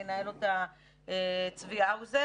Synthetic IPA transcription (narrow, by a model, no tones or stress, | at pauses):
enaelot̪a | et͡sviauze